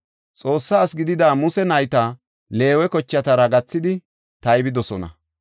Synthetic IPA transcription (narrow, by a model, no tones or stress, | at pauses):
t͡sʼo̞ːsːaːsɡɪd̪ɪd̪aːmʊsɛnɐjt̪a | le̞ːwɛkɔt͡ʃːɐt̪ɐɾɐɡɐt͡sːɪd̪ɪ | t̪ɐjbɪd̪ɔsɔnɐ̰